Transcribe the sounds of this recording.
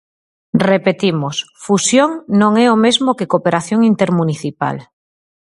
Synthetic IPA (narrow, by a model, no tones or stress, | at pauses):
repet̪imos | fusjoŋnõŋɛomezmokekopeɾaθjoŋint̪eɾmuniθipa̰l